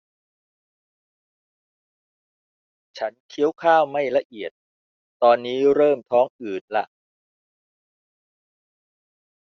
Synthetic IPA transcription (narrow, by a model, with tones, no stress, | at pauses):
t͡ɕʰa˦˥nkʰi˦˥əwkʰaː˥˩wma˥˩jla˧ʔi˨˩ət̪̚ | t̪ɔː˧nːiː˦˥ɾɤː˥˩mt̪ʰɔː˦˥ŋʔɯː˨˩t̪̚la̰˧˩ʔ